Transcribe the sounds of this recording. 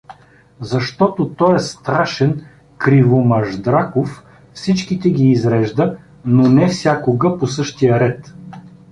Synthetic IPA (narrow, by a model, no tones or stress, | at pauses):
zɐʃt̪ɔt̪ot̪ɔjɛst̪ɾaʃɛn | kɾivomɐʒd̪ɾakof | fsit͡ʃkit̪ɛɡʲiːzɾɛʒd̪ə | nonɛfsʲjakoɡəposɤʃt̪ijəɾɛt̪